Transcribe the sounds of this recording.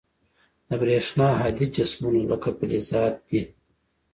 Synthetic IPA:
d̪ɐbɾeːʂnaːɦad̪id͡ʒɐsmunolokʰɐpilizaːt̪̚d̪̥i

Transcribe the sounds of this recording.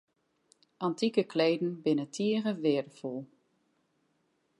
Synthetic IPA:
ʔantikəkleːdn̩bɪnətʰiəʁəʋɪədəfɔlˠ

